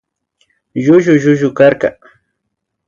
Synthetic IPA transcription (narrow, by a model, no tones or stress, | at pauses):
ʒʊʒʊʒʊʒʊkaɾka